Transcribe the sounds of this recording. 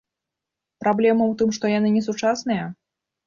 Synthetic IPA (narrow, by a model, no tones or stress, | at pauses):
pɾablʲɛmɐwt̪ɨmʂt̪ɔjanɨnʲɛsut͡ʂasnɨjɐ